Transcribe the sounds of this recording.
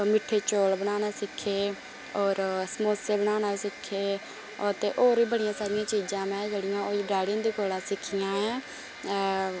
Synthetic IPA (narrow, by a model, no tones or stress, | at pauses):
mɪʈʰːeːt͡ʃoːlbənaːnaːsɪkʰːeː | ɔːɾsəmoːseːbəɽaːnaːsɪkʰːeː | ət̪eːʔoːɾiːbəɽɪjãːsaːɾɪjãːt͡ʃiːd͡ʒãːmɛ̃ːd͡ʒeːɽɪjãːoːiɖaːɽĩːnd̪iːkoːlaːsɪkʰːijãːɛ̃ː